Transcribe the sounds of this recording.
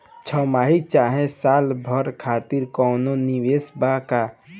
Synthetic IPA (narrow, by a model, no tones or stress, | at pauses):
t͡ʃʰɔmaːɦit͡ʃaːɦẽsaːlbʱɔɾkʰaːt̪ɪɾkɔːnoniweːsbaka